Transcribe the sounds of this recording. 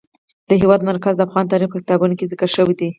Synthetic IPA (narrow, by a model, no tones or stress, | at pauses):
d̪̥əɦewɑd̪maɾkazd̪əafɣɑnt̪ɑɾixpəkɪ̥t̪ɑbunokezɪkəɾʃəwid̪i